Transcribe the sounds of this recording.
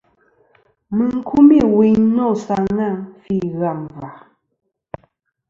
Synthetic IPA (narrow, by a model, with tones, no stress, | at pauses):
mə˨ŋ̩˦kʰu˦mi˦˨wi˨˦ɲnɔ˦˨sa˨ŋa˦˨fi˦˨ɣa˦˨mva˨